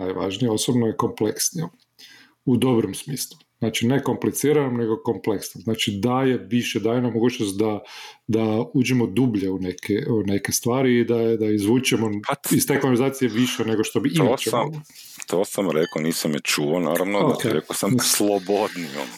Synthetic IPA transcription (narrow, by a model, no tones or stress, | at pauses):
najʋa̰ʒnijeo̞sobnojeko̞mpleksnijom | ud̪o̞bɾomsmiːslˠuznaːt͡ʃine̞ko̞mplit̪siːɾanomne̞ɡo̞ko̞mple̞ksnomznaːt͡ʃid̪aje̞ʋiʃed̪ajenomoɡuːt͡ʃnost̪̚d̪ad̪aud͡ʒimod̪ubʎeunekʰeune̞ke̞st̪ʋaːɾiːd̪ad̪aizʋuːt͡ʃemoist̪e̞klonlizaːt̪sijeʋiʃene̞ɡo̞ʃt̪o̞biʔimot͡ʃem | t̪ʰosamɾekoniːsamjet͡ʃuona̰ːɾaʋnooat̪ɛɾekosamslˠobod̪nijo̰m